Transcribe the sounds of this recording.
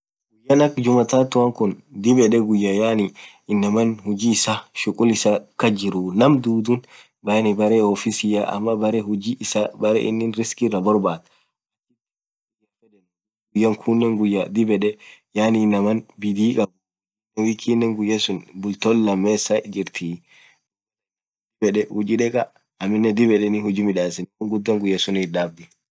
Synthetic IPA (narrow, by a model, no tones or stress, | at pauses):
ɡ̥ʊjːɐnɐkːd͡ʒʊmɐt̪at̪ʊwɐŋkʊnd̪ɪbɛᶑɛɡʊjːɐjaːni | ɪnːɐmɐnhʊd͡ʒiːɪsaʃʊkʼʊlɪsakɐd͡ʒɪɾʊnɐmd̪uːd̪un | bɐjnɪbɐɾeːɔfisɪjaʔɐ̰mːɐbɐɾɛhʊd͡ʒiːɪsabɐɾɛ̰ʔɪ̰nːɪnɾɪskɪrɐbɔɾbaːt̪ | ɐkːɪɪ | d͡ʒɛfɛᶑɛn | ɡʊjːɐŋkʰʊnːɛŋɡʊjːɐd̪ɪbɛɗɛjaːninɐmɐnbid̪iːkʼɐ | nɛwikʰːinːɛŋɡʊjːɐsʊnbʊlt̪ɔlːɐmːɛsaʔd͡ʒɪɾt̪ʰi | d̪ɪbɛɗɛhʊd͡ʒiᶑɛkʼɐ | ɐmːɪnːɛd̪ɪbɛɗɛnihʊd͡ʒimɪᶑaːsɪnŋɡʊd̪ːɐŋɡʊjːɐsʊnɪɗab̚d̪i